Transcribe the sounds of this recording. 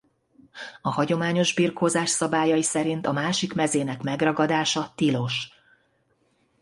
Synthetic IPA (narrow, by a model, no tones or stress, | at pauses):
ɒhɒɟo̞maːɲo̞ʒbiːrkʰhoːzaːʃsɒbaːjɒjisɛɾint̪ɒmaːʃikmɛzeːnɛkmɛɡrɒɡɒd̪aːʃɒt̪ilo̞ʃ